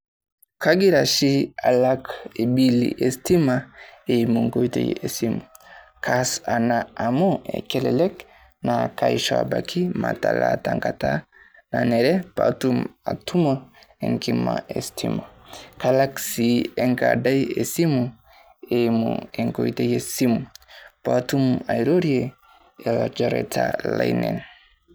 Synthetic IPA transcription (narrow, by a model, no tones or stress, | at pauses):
kaɡiɾaʃialakebilḭʔestimaemuŋɡojtejesimu | kʰasanaamoḛkɛlɛlɛk | nakajʃa̰bakʰimatalataŋkata | nanɛɾɛpatumatumoeŋkimaʔestʰimakalaksieŋɡadajesimu | emṵeŋkojtejesimupatumajɾoɾie | elad͡ʒaɾetʰalajnḛn